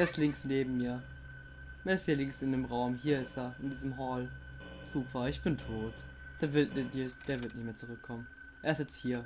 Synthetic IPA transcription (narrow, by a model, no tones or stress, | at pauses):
ʔeːɐɪstlɪŋsneːbm̩miːɐ | meːɐɪsthiːɐlɪŋsɪndeːmʁaʊmɦiːɐɪsteːɐɪndiːzəmɦɔːl | z̥uːpʰɐɪçb̥ɪntʰoːt | d̥eːɐvd̥eːɐvɪɐtnɪçtmeːɐt͡suʁʏkʰːɔmən | ʔeːɐɪstjɛt͡sthiːɐ